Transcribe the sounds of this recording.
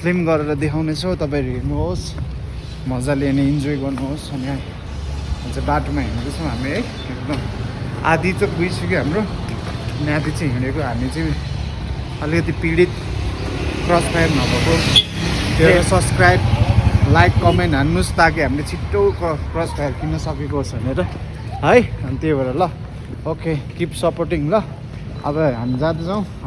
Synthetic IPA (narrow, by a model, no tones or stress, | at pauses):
sʰlimɡʌɾeɾʌd̪ekʰawnet͡sʰʌwt̪ʌp̬aẽɾoɦirnuɦos | mʌd͡zaleneind͡zojɡʌrnuɦosʌnia | ʌt͡sãbaʈomaɦiɽd̪ut͡sʰʌ̃w̃ɦamiej | ek̚d̪ʌma̰d̪it͡sʌbujsʌkeɦamro | njad̪it͡sʌĩɦiɽ̃ekoɦamit͡sʌĩ | ʌlikʌt̪̬ipiɽit̪ | prʌspʰajrnʌbʱʌko | d̪ʱeɾosʌbskrajb̚lajkːʌmenʈɦanːust̪akiɦamilet͡sʰiʈːowkʌprʌspʰajbkinʌsʌkekosbʱʌneɾʌ | ɦʌjʌnt̪ebeɾʌlʌ | okʰekipsʌporʈiŋlʌ | ʌ̰bʌɦamid͡zãt̪d͡zaw̃